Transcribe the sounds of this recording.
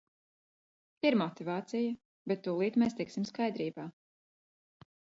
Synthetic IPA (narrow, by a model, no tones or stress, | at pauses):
iɾmɔt̪ivaːt̪sijɐ | bet̪ːuːlˠiːt̪mɛːst̪iksimskajd̪ɾiːbaː